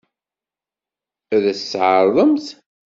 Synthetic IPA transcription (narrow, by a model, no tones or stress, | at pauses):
æðæsːʕəɾˤðˤəmθ